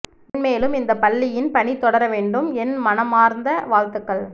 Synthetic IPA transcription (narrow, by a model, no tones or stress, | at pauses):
nmeːlɯmɪnd̪ɐpɐɭːɪjɪnpɐɳit̪ːɔɽɐɾɐʋeːɳɖɯmɛnmɐnɐmaːɾnd̪ɐʋaːlt̪ɯkːɐɭ